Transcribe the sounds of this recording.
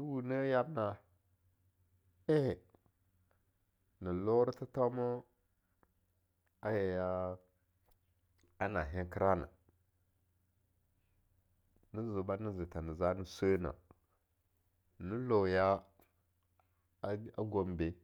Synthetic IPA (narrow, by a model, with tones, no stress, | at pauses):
ni˦wu˨nə˦ja˦bna˨ | e˦he˨ | ni˨lo˦ɾi˦ti˦to˦mo˦ | a˦je˨ja˦ | a˦na˨ɦe˦ŋki˦ɾa˦na̰˨ | ni˦zu˨ba˦ni˦zi˨ta˨ni˨za˦ni˦sə˦na̰˨ | ni˦lo˨ja˦ | a˦ɡo˨mbe˨